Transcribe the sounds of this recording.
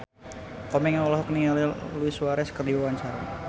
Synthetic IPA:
kɔmɛŋaɔlɔɦɔknialiluisuaɾɛsə̥kərdiwawaɲt͡ʃaɾa

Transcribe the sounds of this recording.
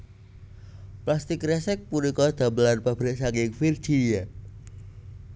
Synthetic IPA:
plast̪ɪkrɛsɛk̚puɾikɔd̪̥a̤bəlanpab̥ɾɪʔsakiŋfird͡ʒ̥ija

